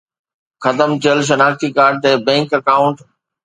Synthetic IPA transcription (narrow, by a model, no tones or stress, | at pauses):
xɐd̪əmt͡ɕeəlʃ̬ɐnaːxt̪ikaːɾɖ̚t̪eːbɛ̃ːŋkɐkaːʊ̃ɳʈ